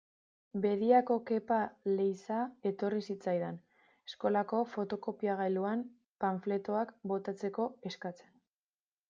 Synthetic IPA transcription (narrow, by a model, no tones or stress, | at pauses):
be̞ðiako̞ke̞pale̞jsae̞t̪o̞risit͡sajðen | esko̞lako̞fo̞t̪oko̞piaɣ̞ajluam | paɱfle̞t̪o̞akbo̞t̪at͡se̞ko̞e̞skat͡se̞n